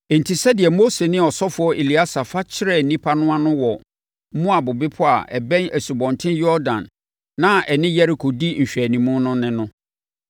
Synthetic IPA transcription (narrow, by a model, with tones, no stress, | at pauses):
n̩˨tʰi˨sɛ˦dɪ˨ɛ˨mo˦se˨nɪ̃˦˨ɔ˨sɔ˦fʊ˨˦ɔ˦ʔe˨li˨a˦sa˨fa˦t͡ɕʰɪ˦ɾɛ˨n̩˨nĩ˦pʰa˦nʊ̃˦a˦nʊ̃˦wɔ˨ | m̩˦mũ˦a˨bʊ˨bɪ˦pʰʊ˦a̰˨ʔɛ̰˨bɛ̃˦næ˨su˨bɔ̃˨ntʰɪ̃˦njɔ˦ɾdã̰˨nː | ã˦ʔɛ˨nɪ̃˦jɛ˦ɾi˨kʰo˨di˦ɲ̩˨ɕᶣæ˨nĩ˨mũ˦nʊ̃˦nɪ̃˦nʊ̃˦